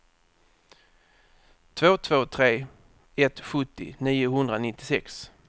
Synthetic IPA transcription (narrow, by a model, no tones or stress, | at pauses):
t̪ʰvoːt̪ʰvoːt̪ʰɾeː | ɛt̪ɧɵt̪ːɪ̰niːʊɦɵnd̪ɾanɪt̪ːɪsɛks